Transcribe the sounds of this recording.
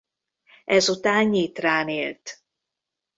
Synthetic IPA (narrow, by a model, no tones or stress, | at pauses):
ɛzut̪aːnːit̪raːneːlt̪